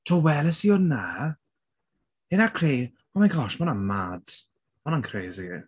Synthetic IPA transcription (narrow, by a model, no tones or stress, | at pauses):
tʰowɛləsiɔnːa | ɪnakʰr̥eː | ɔmankʰɔʃmɔnanmad̥ | mɔnankʰreːziɡḭ